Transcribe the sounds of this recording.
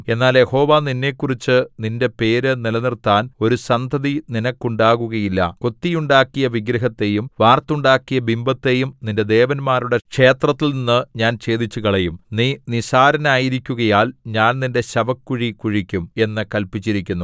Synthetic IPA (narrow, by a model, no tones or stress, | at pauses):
e̞nːaːljeho̞ːʋaːninːe̞ːkːurit͡ɕːɨninde̞pe̞ːɾɨnilɐnirt̪ːaːno̞ɾusɐnd̪ʱɐðininɐkːuɳɖaːɣuɣɐjilːɐ̰ko̞t̪ːijuɳɖaːkːijɐʋiɡɾɐɦɐt̪ːe̞jumʋaːrt̪uɳɖaːkːijɐbimbɐt̪ːe̞jumninde̞d̪e̞ːʋɐnmaːɾuɽekʂe̞ːt̪rɐt̪ːilninːɨɲaːnt͡ɕe̞ːd̪it͡ɕːuɣɐɭejumninisaːɾɐnaːjiɾikʲːuɣɐjaːlɲaːnninde̞ɕɐbɐkːuɻikuɻikʲːume̞nːɨkɐlpit͡ɕːiɾikʲːunːu